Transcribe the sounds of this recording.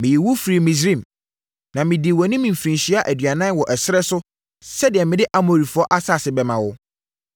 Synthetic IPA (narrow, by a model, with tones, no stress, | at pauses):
mɪ̃˨ji˨wʊ˦fɾi˨mĩ˨s̬ɾĩ˦˨m | nã˨mɪ̃˨dɪ˨wɔ˨nɪ̃˦mĩ˨m˨fɾĩ˨nɕi˦a˦ʔæ˨dɥa˨nã˦n˦wɔ˨ʔɛ˨sɪ˦ɛ˦sʊ˦ | sɛ˦dɪ˨ɛ˨mɪ̃˨dɪ˦ʔa˨mo˨ɾi˨fʊ˨˦ɔ˦ʔa˦sa˦˨sɪ˨bɛ˨mã˨wʊ˦